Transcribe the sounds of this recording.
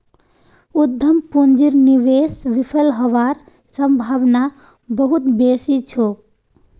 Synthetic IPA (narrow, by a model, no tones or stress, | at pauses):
ud̪ʱːəmpund͡ʒiɾniʋesʋipʰəlɦəʋaɾ | səmbʱabna | bəɦut̪besit͡ʃʰo